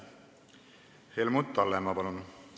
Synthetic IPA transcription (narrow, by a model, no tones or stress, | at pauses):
hejlmut̪ːˑɑlːemɑpɑnun